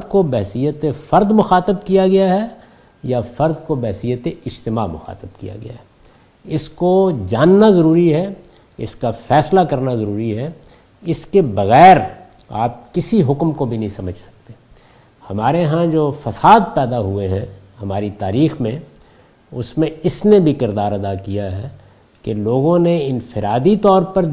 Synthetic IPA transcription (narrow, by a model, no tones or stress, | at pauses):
d̪kobɛɦsijət̪efɐɾd̪mʊxaːt̪əb̚kijaɡɐjaɦɛ | jafɐɾd̪kobɛːsijət̪eɪd͡ʒt̪ɪmamʊxa̰ːt̪əb̚kḭja̰ɡɐ̰ja̰ɦɛ | ɪskod͡ʒaːnːazɐɾuːɾiɦɛ | ɪskafɛːslakɐɾnazɐɾuːɾiɦɛ | ɪskebɐɣɛːɾ | a̰ːp̚kɪsiɦʊkmkobʱinɐɦĩsɐməd͡ʒʱsɐ̥k̚t̪eː | hɐmaːɾeɦãd͡ʒoːfɐsaːd̪̚pɛːd̪aɦueɦɛ̰̃hɐmaːɾit̪aːɾiːxmẽ | ʊ̰smẽɪsnebʱikɪɾd̪aːɾɐd̪akijaɦɛ | keloːɡõneɪnfɪɾaːd̪it̪ɔːɾpɐɾ